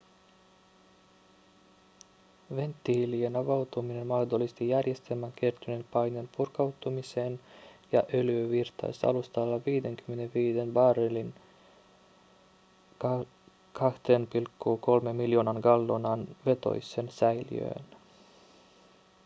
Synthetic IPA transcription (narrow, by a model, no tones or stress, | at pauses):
ʋe̞nt̪ːiilienɑʋɑwt̪umine̞nmɑhd̪o̞lːist̪ijærje̞st̪elmːæŋk̟ert̪ynempɑjnenpurkɑwt̪umiseːnjɑ̰ʔøløʋirt̪ɑ̰jsɑ̰lust̪ɑlːɑʋiːde̞ŋky̥mːe̞neʋiːde̞nbɑːɾelin | kʰɑht̪eːnpilkːuːko̞lme̞mːiljo̞ːnɑŋɡɑlːo̞nɑnʋe̞t̪o̰jsˑensæjlḭø̰ːn